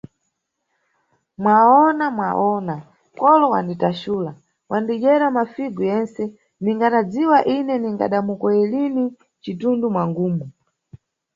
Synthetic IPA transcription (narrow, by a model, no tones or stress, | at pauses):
mwaɔnamwa̰ʔɔna | kɔlɔwanditaʃuːla | wʔandid͡ʒɛɾamafiɡujɛnsɛ | niŋɡanad͡ziwaʔinɛniŋɡa̰ɗamukɔɛlini | t͡ʃitundumwaŋɡuːmu